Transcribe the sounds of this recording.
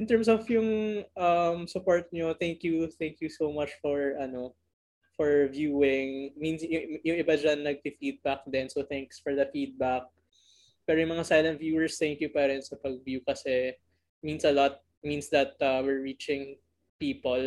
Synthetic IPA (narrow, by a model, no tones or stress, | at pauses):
ʔɪ̃nt̪ɛɹmsɔfjʊŋʔɐmsʊpoɹt̪̚ɲoθɛŋkjuθɛ̃ŋkjusomɐt͡ʃfɔɹɐno | fɔɹvjuːɪŋmĩnsjʊŋjʊŋɪbad͡ʒanːɐɡ̚t̪ɪfiːd̪̚bak̚d̪ɛnsoθɛŋksfɔɹd̪ɐfid̪̚bak̚ | pɛːɾojʊŋmɐŋasajlɐnt̪̚vjuːɛɹst̪ɛŋkjupɛɾɛnsɐpɐɡ̚vjukɐsɛ | mĩnsɐlɔt̪̚ | mĩnsd̪ɐt̪̚ʔɐwɪɹːit͡ʃɪ̃ŋ | piːpol